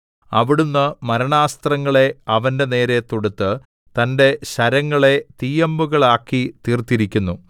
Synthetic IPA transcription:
ɐʋiɽunːɨmɐɾɐɳaːst̪rɐŋːɐɭe̞ɐʋɐnde̞ne̞ːɾe̞t̪oɽut̪ːɨ | t̪ɐnde̞ɕɐɾɐŋːɐɭe̞t̪ijɐmbuɣɐɭaːkːit̪iːrt̪iɾikʲːunːu

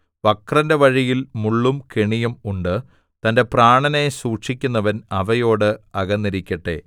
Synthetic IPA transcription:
ʋɐkrɐnde̞ʋɐɻijilmuɭːumkeɳijɐmuɳɖɨ | t̪ɐnde̞praːɳɐne̞suːʈʂikʲːunːɐʋɐnɐʋɐjo̞ːɽɨɐɣɐnːiɾikʲːɐʈːe̞̰

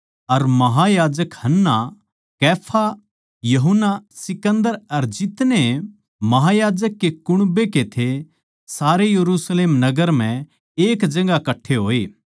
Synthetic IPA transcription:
ɐɾmɐɦajaːd͡ʒəkhɐnːa | kɛːpʰa | jɐɦʊnːasɪkə̃nd̪əɾɐɾd͡ʒɪt̪ne | mɐɦajaːd͡ʒəkːekʊɽ̃beket̪ʰe | saːɾejɐɾuːsleːmnɐɡəɾm̤ɛ̃ | eːkd͡ʒɐ̃ŋ̆ɡakɐʈʰːeɦoːeː

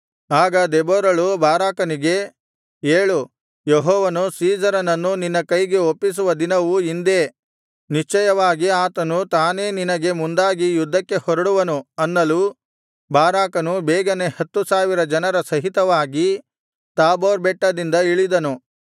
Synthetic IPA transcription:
aːɡɐd̪eboːɾɐɭubʱaːɾaːkɐniɡe̞ | eːɭu | jeɦɔːʋɐnusiːd͡ʒɐɾɐnɐnːuninːɐkɐjɡe̞opːis̬uʋɐd̪inɐʋuind̪e̞ː | niʂt͡ʃɐjɐʋaːɡiaːt̪ɐnut̪aːne̞ːninɐɡe̞mund̪aːɡijud̪ʱːɐkːe̞hɔɾɐɽuʋɐnuɐnːɐlu | bʱaːɾaːkɐnubɛːɡɐne̞hɐt̪ːusaːʋiɾɐd͡ʒɐnɐɾɐsɐɦit̪ɐʋaːɡi | t̪aːboːɾbɛʈːɐd̪ind̪ɐiɭid̪ɐnu

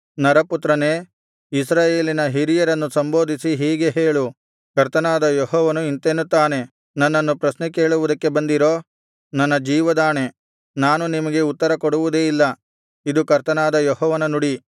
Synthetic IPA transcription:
nɐɾɐput̪ɾɐne̞ː | isɾaːje̞ːlinɐɦiɾijɐɾɐnːusɐmbo̞ːd̪ʱisiɦiːɡe̞ɦeːɭu | kɐɾt̪ɐnaːd̪ɐjɔɦɔːʋɐnuint̪enːut̪ːaːne̞ | nɐnːɐnːupɾɐsnɛke̞ːɭuʋud̪ɐkːe̞bɐnd̪iɾo̞ː | nɐnːɐd͡ʒiːʋɐd̪aːne̞ | naːnunimɐɡe̞ut̪ːɐɾɐkɔɽuʋud̪e̞ːilːɐ | id̪ukɐɾt̪ɐnaːd̪ɐjɔɦɔːʋɐnɐnuɽi

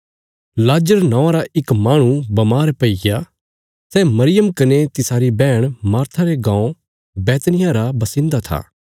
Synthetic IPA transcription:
laːd͡ʒəɾnãːaɾaʔɪkmaːɽ̃ũbɐmaːɾpɐɪɡa | sɛmɐɾɪjəmkɐnet̪ɪsaːɾibɛːɽ̃maːɾt̪ʰaɾeɡãːõ | bɛːt̪nɪjaɾabɐsɪ̃nd̪at̪ʰa̰ː

